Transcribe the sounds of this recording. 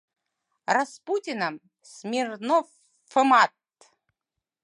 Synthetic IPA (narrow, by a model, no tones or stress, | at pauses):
rasputʲɪnəm | smʲirnɔ | fɨmat̪